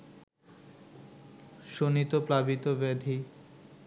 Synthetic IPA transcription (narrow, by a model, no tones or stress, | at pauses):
ʃonit̪oplabit̪obed̪ʱi